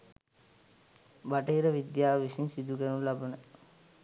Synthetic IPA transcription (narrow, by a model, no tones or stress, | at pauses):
baʈəiɾəʋid̪jaːʋisinsid̪uɡænulabənə